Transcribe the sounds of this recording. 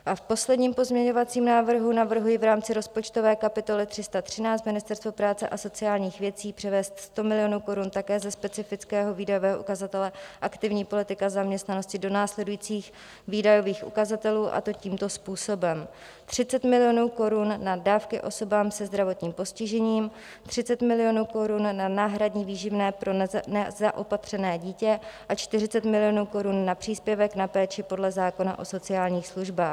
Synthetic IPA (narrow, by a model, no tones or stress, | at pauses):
ʔafpo̞slɛdɲiːmpo̞zmɲɛɲo̞vat͡siːmnaːvr̩ɦunavr̩ɦujɪvɾaːmt͡sɪɾo̞spo̞t͡ʃt̪o̞vɛːkapɪt̪o̞lɪt̪r̝̥ɪst̪at̪r̝̥ɪnaːt͡st̪mɪnɪst̪ɛɾst̪vopɾaːt͡sɛ̰ʔaso̞t͡sɪaːlɲiːxvjɛt͡siːpr̝̥ɛvɛːst̪st̪o̞mɪlɪjo̞nuːko̞ɾunt̪akɛːzɛspɛt͡sɪfɪt͡skɛːɦo̞viːdajo̞vɛːɦo̞ʔukazat̪ɛlɛʔakt̪ɪvɲiːpo̞lɪt̪ɪkazamɲɛst̪nano̞scɪdo̞naːslɛdujiːt͡siːx | viːdajo̞viːxʔṵkazat̪ɛluːʔa̰t̪o̞ciːmt̪o̞spuːso̞bɛm | t̪r̝̥ɪt͡sɛt̪mɪlɪjo̞nuːko̞ɾunːadaːfkɪʔo̞so̞baːmsɛzd̪ɾavo̞t̪ɲiːmpo̞scɪʒɛɲiːm | t̪r̥ɪt͡sɛt̪mɪlɪjo̞nuːko̞ɾunːanaːɦɾadɲiviːʒɪvnɛːpɾo̞nɛzaʔopat̪r̝̥ɛnɛːɟiːcɛʔat͡ʃt̪ɪrɪt͡sɛt̪mɪlɪjo̞nuːko̞ɾunːapr̥iːspjɛvɛknapɛːt͡ʃɪpo̞dlɛzaːko̞na̰ʔo̞so̞t͡sɪaːlɲiːxsluʒbaːx